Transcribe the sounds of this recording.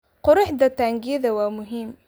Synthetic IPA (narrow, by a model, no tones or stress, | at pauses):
qʊɾʊħd̪at̪aŋɡiːðawamʊɦɪmː